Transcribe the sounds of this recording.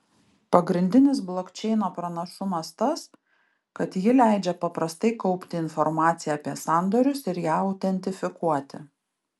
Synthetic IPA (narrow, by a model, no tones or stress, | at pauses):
pɐɡɾʲɪnʲd̪ʲɪnʲɪs̬blˠoːkʲt͡ʃʲɛɪnoːpɾɐnɐʃʊmɐst̪ɐs | kɐt̪jɪlʲæɪd͡ʒʲɛpɐpɾɐst̪ɐɪkɔʊpʲt̪ʲɪɪnfɔɾmɑːt̪sʲɪjɛːpʲiɛsɑˑnd̪oːɾʲʊsɪɾjæːɐʊt̪ʲɛnʲt̪ʲɪfʲɪkuɔt̪ʲɪ